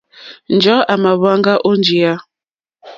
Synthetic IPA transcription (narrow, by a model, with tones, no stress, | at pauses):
n̩˨d͡ʒɔ˨˦a˨ma˨βa˦ŋɡa˦ʔo˦n˦d͡ʒi˨a˦